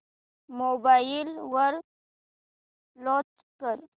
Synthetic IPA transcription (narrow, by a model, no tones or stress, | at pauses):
mobaːjilwəɾ | lɔ̃ːt͡ʃ | kəɾ